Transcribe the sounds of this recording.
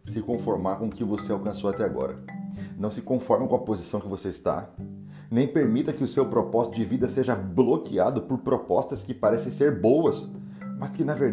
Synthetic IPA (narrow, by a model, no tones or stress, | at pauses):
sɪkõfoɾmaɾkõʊkɪvoseawkɐ̃sowat̪ɛaɡɔ̰ɾɐ̰nɐ̃w̃sɪkõfɔɾmɐkõɐpozisɐ̃w̃kɪvoseɪst̪a̰ | nẽj̃peɾmit̪ɐkɪʊsewpɾopɔzit̪ʊd͡ʒɪvid̪ɐseʒɐblokiad̪ʊpʊɾpɾopɔst̪ɐskɪpaɾɛsẽj̃seɾbowɐs | mɐskɪnɐveɾ